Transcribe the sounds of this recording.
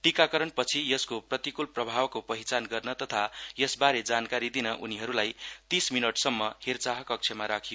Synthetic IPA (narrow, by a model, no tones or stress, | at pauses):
ʈikakʌɾʌnpʌt͡sʰijʌskoprʌt̪ikulprʌbʱawkopʌɦit͡sanɡʌrnʌt̪ʌt̪ʰajʌsbaɾed͡zankaɾid̪inʌʔuniɦʌɾulajt̪isminʌʈsʌmːʌhert͡saɦʌkʌk̚t͡sʰemaɾakʰijo